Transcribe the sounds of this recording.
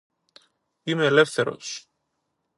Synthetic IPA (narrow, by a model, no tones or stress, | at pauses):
imeelefθeɾo̰s